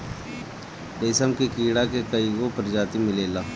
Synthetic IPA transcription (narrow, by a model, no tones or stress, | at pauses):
eːsəmkikiːɽakekɐiɡopɐɾd͡ʒaːt̪imɪleːlaː